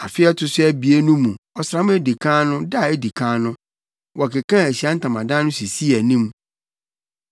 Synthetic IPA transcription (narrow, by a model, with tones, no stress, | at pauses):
a˨fɪ˦ɛ˦tʰʊ˨sʊ˦æ˦bi˨e˦nũ˦mũ˨ɔ˨sɾã˨˦mʊ̃˦æ˦di˨kʰã˦nʊ̃˦da˦˨e˦di˨kʰã˦nʊ̃˦ | wɔ˨ke˨kʰã˦˨æ˨ɕi˨˦a˦n̩˦tʰã˨mã˨dã˦nʊ̃˦si˨si˦æ˨nĩ˦m